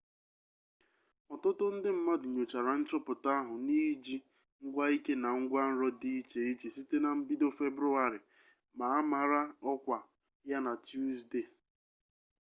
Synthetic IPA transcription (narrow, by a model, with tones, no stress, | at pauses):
ɔ˨tʊ˦tʊ˦n̩˦dɪ˦m̩˦ma˦dʊ˨ɲo˨t͡ʃa˨ɾa˨n̩˦t͡ʃɔ˦pʊ˨ta˦ɦʊ˨ni˦d͡ʒi˦ | ŋ̩˦ɡʷa˦i˦ke˦na˨ŋ̩˦ɡʷa˦n̩˦ɾɔ˦di˦t͡ʃe˨i˦t͡ʃi˨si˦te˦na˨m̩˦bi˦do˦fe˦bɾu˦a˨ɾɪ˨ | ma˨a˦ma˨ɾa˦ɔ˦kʷa˨ | ja˦na˨tju˦zde˦˨